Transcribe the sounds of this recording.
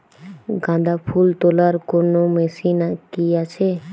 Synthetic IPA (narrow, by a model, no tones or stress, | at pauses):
ɡãd̪apʰult̪olaɾkonomesinakiat͡ɕʰe